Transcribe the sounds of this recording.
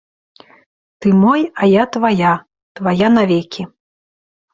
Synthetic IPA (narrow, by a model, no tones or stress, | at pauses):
t̪ɨmɔjajat̪vaja | t̪vajanavʲɛkʲʰi